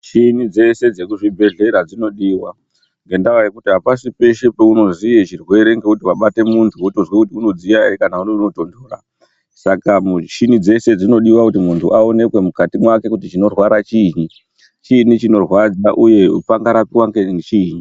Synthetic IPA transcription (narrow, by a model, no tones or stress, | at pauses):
t͡ʃinid͡ze̞se̞d͡ze̞kuʐibʱe̞ɮe̞ɾad͡zino̞ɗiwa | ŋɡe̞ndawajekutiɦapasipe̞ʃepeuno̞zijet͡ʃirwe̞ɾe̞ŋɡe̞kutiʋaɓate̞muntʰuotozwekutiuno̞d͡zijaekanauneuno̞to̞ndo̞ra̰ | sakamʃinid͡ze̞se̞d͡zino̞ɗiwakutimuntʰuʔao̞ne̞kwe̞mukatimwake̞kutit͡ʃino̞rwaɾat͡ʃiɲi | t͡ʃinit͡ʃino̞rwad͡zaʔuje̞upaŋɡaɾapiwaŋɡeŋet͡ʃiːɲi